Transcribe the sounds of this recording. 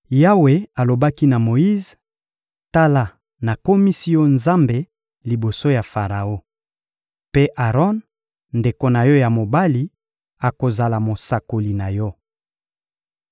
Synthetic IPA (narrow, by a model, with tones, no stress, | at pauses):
ja˦we˨a˨lo˨ba˦ki˦na˨mo˨i˦z | ta˦la˦ | na˨ko˦mi˦si˦jɔ˦nza˦mbe˨ | li˨bo˨so˦ja˨fa˨ʁa˨o˦ | pe˦ʔa˨ʁɔ˦n | nde˨ko˨na˨jɔ˦ja˨mo˨ba˦li˨ | a˨ko˨za˨la˨mo˨sa˨ko˨li˨na˨jɔ˦